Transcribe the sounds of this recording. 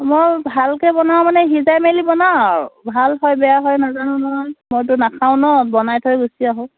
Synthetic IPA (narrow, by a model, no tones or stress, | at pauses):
mojbʱalkɛbɔnaw̃manɛɦizajmelibɔnaaɹbʱalɦɔjbɛjaɦɔjnazanʊmojmojt̬ʊnakʰaʊ̃nɔbɔnajtʰɔjɡusiaɦɔ̃